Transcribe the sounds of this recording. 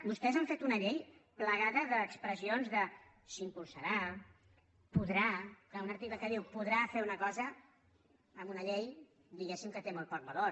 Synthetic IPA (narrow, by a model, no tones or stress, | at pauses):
bust̪ɛzaɱfet̪unəʎejpləɣ̞aðəðəːkspɾəzionzðə | simpulˠsəɾa | puðɾaklaunəɾt̪ikləkəðiwpuðɾafeunəkɔzəː | munəʎej | d̪iɣesimkət̪emolt̪̚pɔk̚bəlo